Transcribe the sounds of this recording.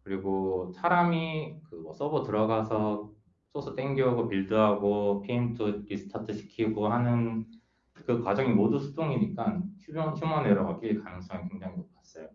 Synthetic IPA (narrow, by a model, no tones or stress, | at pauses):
kɯɾiɡosʰaɾamikɯwʌs͈ʌbotɯɾʌɡasʰʌ | s͈osʰɯt͈eŋɡiʌɡopiɭdɯuɦaɡopʰiintʰɯɾisʰɯ̥tʰatʰɯɕʰi̥kʰiɡohanɯn | kɯkwad͡ʑʌŋimodusʰudoŋiɲik͈ant͡ɕʰuʌnɕʰumʌneɾoʌk͈iɭkanɯŋs͈ʌŋikweŋd͡ʑaŋimop͈̚as͈ʌjo